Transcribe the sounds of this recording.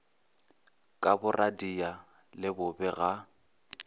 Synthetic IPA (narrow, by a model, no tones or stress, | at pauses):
kʼabʊrʔadia | lɪbʊbɛɣa